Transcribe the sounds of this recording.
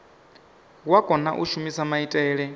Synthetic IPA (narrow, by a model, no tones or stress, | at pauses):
wakʼɔna̰ʔuʃumisamaitʼɛːɺɛ